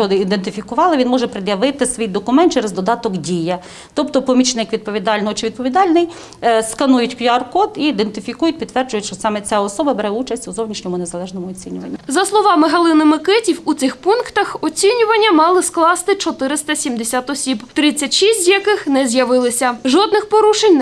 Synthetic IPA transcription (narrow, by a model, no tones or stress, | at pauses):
ɔd̪ɪid̪ent̪ɪfʲikʊʋɑlˠɪʋʲinmɔʒɛpɾɪd̪jɐʋɪt̪ɪsʋʲijd̪ɔkʊmɛnt̪t͡ʃɛɾezd̪ɔd̪ɑt̪ɔkdʲijɐ | t̪ɔpt̪ɔpɔmʲit͡ʃnɪkʋʲid̪̚pɔʋʲid̪ɑlʲnɔɦɔt͡ʃɪʋʲid̪̚pɔʋʲid̪ɑlʲnɪj | skɐnujʊtʲkʲɐrkɔd̪iːd̪ent̪ɪfʲikujʊt̚ʲpʲid̪t̪ːʋɛrd͡ʒʊjɛʃt͡ʃɔsɑmɛt͡sʲaɔsɔbɐbeɾɛut͡ʃɐsʲtʲuzɔwnʲiʃnʲɔmʊnezɐlˠɛʒnɔmʊɔt͡sʲinʲʊʋɐ̰nʲːizɐslˠɔʋɑmɪɦɐlˠɪnɪmɪkɛtʲiwut̪sɪxpunkt̪ɐxɔt͡sʲinʲʊʋɐnʲːɐmɑlˠɪsklˠɑst̪ɪt͡ʃɔt̪ɪɾɪst̪ɐsʲimd̪esʲat̪ɔsʲibt̪ɾɪt͡sʲːɐtʲʃisʲtʲzjɐkɪxnɛzʲjɐʋɪlˠɪsʲɐʒɔd̪̚nɪxpɔɾuʃenʲ